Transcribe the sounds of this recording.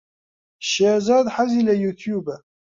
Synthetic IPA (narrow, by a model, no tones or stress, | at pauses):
ʃæzɑd̪ˤħazilæjut̪juba